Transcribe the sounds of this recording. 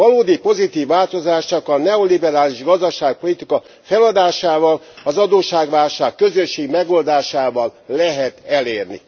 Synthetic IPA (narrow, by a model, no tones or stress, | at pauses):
ɒloːd̪ipo̞zit̪iːvːaːlt̪o̞zaːʃt͡ʃɒkɒnɛo̞libɛɾaːliʒɡɒzd̪ɒʃaːk̚po̞lit̪ikɒ | fɛlɒd̪aːʃaːvɒl | ɒzɒd̪oːʃaːɡʋaːlʃaːkːø̞zøʃːeːɡmɛɡo̞ld̪aːʃaːvɒllɛɦɛt̪ɛleːrnḭ